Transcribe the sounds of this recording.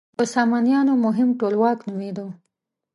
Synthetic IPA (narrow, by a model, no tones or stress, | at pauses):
əsɑmɑnjɑnomʊɦɪmʈolwɑknumed̪o